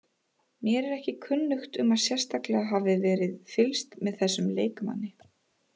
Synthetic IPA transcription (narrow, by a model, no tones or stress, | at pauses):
mjɛɾɛɾɛhcɪkʰʏnːʏxt̪ʏmaðsjɛr̥st̪aklɛɣaɦavɪvɛːɾɪðfɪlst̪mɛðθɛsːʏmlḛːjkama̰nːɪ